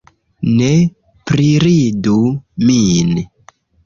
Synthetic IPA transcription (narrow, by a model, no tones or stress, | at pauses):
ne | pɾiɾidumin